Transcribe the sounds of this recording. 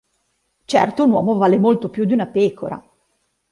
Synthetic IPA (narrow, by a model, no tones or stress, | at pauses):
t͡ʃɛ̰rt̪ounwɔ̰ːmovaːlemolt̪opjud̪iunapeːkʰo̰ɾa̰